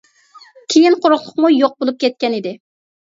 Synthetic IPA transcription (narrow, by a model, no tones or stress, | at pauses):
kʲʰejinqʰoɾʊχlˠʊqmujoq̚bolˠup̚kʲɛt̪̚kʲɛnɪd̪ɪ